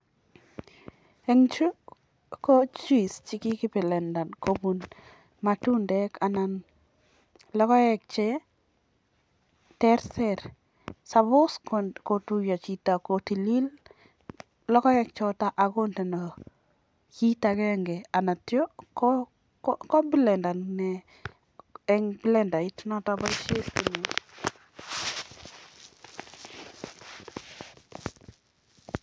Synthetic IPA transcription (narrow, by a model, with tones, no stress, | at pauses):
ɛ˦ŋt͡ʃu˦ | kɔ˦t͡ʃui˨st͡ʃɪ˦kɪ˦kɪ˦pɪ˨lɛ˨nda˨nko˦bu˨n | ma˨tu˦ndɛkana˨n | lɔ˦kɔ˦ɛk̚t͡ʃɛ˦ | tɛ˦ɾsɛɾ | sa˨βʊ˦skko˨tu˦ja˨t͡ʃi˨ta˨ko˨ti˨li˦l | lɔ˦kɔ˦jɛ˦k̚t͡ʃɔta˦ʔaɡo˦ntɛ˨nɔ˨ | t͡ʃi˦ta˨kɛŋɡɛ˨a˨na˨tjɔ˦k | kɔ˦bi˦lɛ˨nda˨nnɛ | ɛŋbi˦lɛ˨nda˨i˦tnɔ˦taba˦iʃe˦ski˨nɛ˨